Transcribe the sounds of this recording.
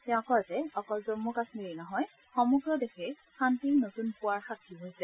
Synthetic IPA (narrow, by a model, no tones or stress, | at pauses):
tɛɔ̃kɔzɛɔkɔlzɔnmukasmiɹinɔɦɔj | xɔmuɡɹɔdexɛ | xantiɹnotunpʊaɹxakʰːibʱozɛ